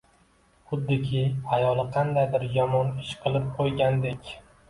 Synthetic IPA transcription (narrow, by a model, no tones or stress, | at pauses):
χʊd̪ːɪkʲʰɪajɒlˠɨqʰɑnd̪ajd̪ɪɾjɒmɒnɪʃqʰɨlˠɪp̚qʰojɡʲand̪e̞kʲ